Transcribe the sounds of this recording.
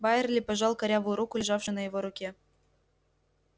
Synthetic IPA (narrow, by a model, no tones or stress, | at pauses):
bɑjerlʲipɑʒɑlˠkɑɾʲɑβuɾukulʲʒɑfʃɤ̆nɑjeβoɾukʲe